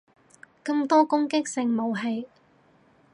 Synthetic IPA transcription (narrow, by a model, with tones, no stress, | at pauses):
kɐ˧mt̪ɔː˥kʊ˥ŋkɪ˥k̚sɪ˧ŋmo˨˧wɦe˧j